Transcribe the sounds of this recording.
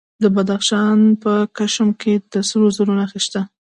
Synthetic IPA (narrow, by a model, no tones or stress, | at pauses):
d̪əbad̪axʃɑnpəkaʃmkʰed̪əsəɾozaɾunaxist̪a